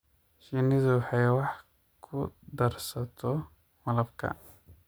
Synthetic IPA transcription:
ʃiːnɪðʊwɑħɑjwɑħ | kʰʊd̪ɐrsɐt̪ʰɔ | mɐlɐbkʰɐ̰

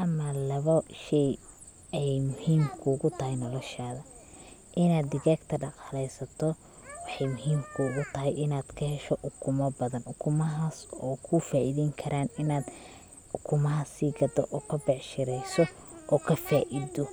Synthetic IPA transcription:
ʔɐmɐlɐβɐʃɛj | ɛjmʊhiːmkʰʊːɣʊt̪ʰɐhɛjnɔlɔʃaːðɐ | ʔɪnaːd̪ːɪɣaːɡt̪ʰɐɖɑqɑlɛjsɐt̪ʰɔ | wɑħɑjmʊɦiːmkʰʊʊɣʊt̪ʰɐɦɛjʔɪnaːd̪̥kʰɐhɛʃɔʔʊkʰʊmɐbɐðɐnʊkʰʊmɐɦaːsɔːkʰʊfaːʔiðɛːŋkʰɐɾʔaːnɪnaːd̪ | ʊkʰʊmɐɦɐsiːɡɐd̪ɔ̰ʔɔːkʰɐbɛʕʃɪɾɛjsɔ | ʔɔːkʰɐfaːʔɪðɔ

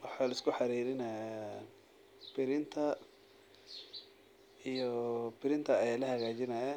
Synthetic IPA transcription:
wɑħɑːlɐɪskʰʊħɑɾiːɾɪnɐja | bɪɾɪnt̪ʰɐ | ijɔbɪɾɪnt̪ʰɐːjaːlɐɦɐɣaːt͡ʃɪnɐjɐ

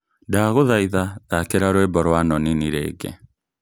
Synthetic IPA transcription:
ndaɣoðaiðaðakeɾaɾwɛbɔɾwanɔniniɾɛ̰ːɡɛ̰

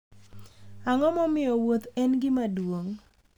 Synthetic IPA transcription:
aŋɔmɔmɪjɔwot̪ɛnɡɪmadwoŋ

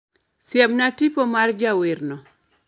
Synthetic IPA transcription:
sjabnatipɔmard͡ʒawirnɔ

